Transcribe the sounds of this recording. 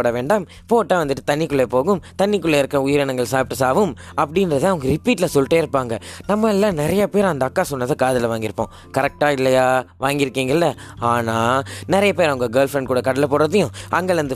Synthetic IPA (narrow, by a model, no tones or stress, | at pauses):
oːɽɐʋeːɳɖɐm | poːʈːaːʋɐnd̪ɯʈːɯt̪ɐnːɪkːɯɭːɐpoːɣɯmt̪ɐɳːɪkːɯɭːeɪɾɯkːɯɾɐʊjɪɾɛnɐŋɡɐɭsaːpɪʈːɯsaːʋɯm | ɐpːɐɽɪnɾɐt̪ãːɐʋɐŋɡɐɾɪpiːʈːlɐsɔlʈːeːɪɾɯpːaːŋɡɐnɐmːɐɛlːãːnɪɾɐjɐpeːɾɐnd̪ɐːkːaːsɔnːɐðakaːðɪlʋaːŋɡɪɾɯpːõ̰ː | kɐɾɛk̚ʈaːɪlːɐjaːʋaːŋɡɪɾɯkːiːŋɡɐlːɐaːnaːnɪɾɐjɐpeːɾɐɐŋɡɐɡɐːɾlfɾɐɳɖ̚kuːɽɐkɐɽɐlɐpoːɾɐðɐjʊ̃ʔɐŋɡɐɭɐnd̪ɯ